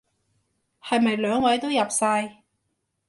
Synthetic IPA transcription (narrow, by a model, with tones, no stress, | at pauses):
hɐ˨jmɐ˨jlœː˨˥ŋwɐ˨˥jt̪o˥wjɐ˨p̚saː˧j